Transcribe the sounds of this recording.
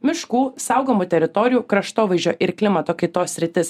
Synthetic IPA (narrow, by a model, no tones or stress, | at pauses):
mʲɪʃkuːsɐˑʊɡoːmuːt̪ʲɛɾʲɪt̪ɔɾʲɪjuːkɾɐʃt̪oːʋɐɪʒʲo̰ːʔɪɾklʲɪmɐt̪oːkɐɪt̪oːsʲɾʲɪt̪ʲɪs